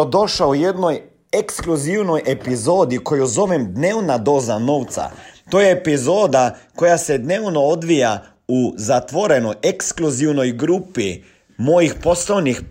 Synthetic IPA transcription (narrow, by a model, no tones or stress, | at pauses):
d̪o̞ʃaujed̪noj | ekskluziwnojʔepizo̞ːd̪ikojuzo̞ʋɛmd̪neːwnad̪o̞ːzano̞ːwt̪sa̰t̪ojeːpizoːd̪ako̞jased̪neːwnood̪ʋija | uzat̪ʋo̞ɾenojekskluziwnojɡɾuːpi | mojixpo̞slojnix